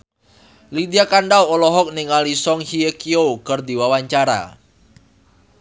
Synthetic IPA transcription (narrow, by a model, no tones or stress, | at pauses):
lid̪iakaɳɖawolɔɦɔk̚niŋalisɔŋhiekiokərd̪iwawaɲt͡ʃaɾa̰